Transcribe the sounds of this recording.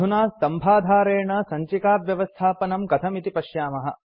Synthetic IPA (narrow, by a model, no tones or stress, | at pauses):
unaːst̪ɐmbʱaːd̪ʱaːɾeːɳɐsɐɲt͡ʃikaːpjɐʋɐst̪ʰaːpɐnɐmkɐt̪ʰɐmit̪ipɐʃjaːmɐɦɐ̰̆